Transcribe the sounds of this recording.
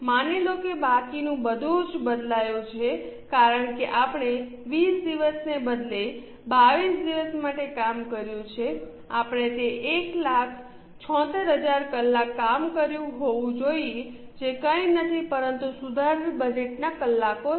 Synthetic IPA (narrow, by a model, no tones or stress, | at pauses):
manelokebakinũbəd̪ʱũd͡ʒbəd̪lajõt͡ʃʰekaɾəɳkeʔapəɳ̃e | ʋisd̪iʋəsnebəd̪le | baʋisd̪iʋəsmaʈekamkəɾjũt͡ʃʰe | apɳ̃et̪eʔeklakʰ | t͡ʃʰɔ̃t̪əɾɦəd͡ʒaɾkəlːakːamkəɾjũɦoʋũd͡ʒoie | d͡ʒekə̃inət̪ʰipəɾənt̪usud̪ʱaɾbəd͡ʒeʈnakəlːako